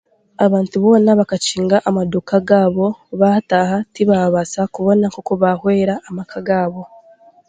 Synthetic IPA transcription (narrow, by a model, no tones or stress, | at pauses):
aβaːntuβo̞ːnaβakaciːŋɡaʔamadukaɡaːβo̞βaːtaːhatiβaβasakuβo̞nakokoβahwe̞ːɾaːmakʰaɡaːβo̞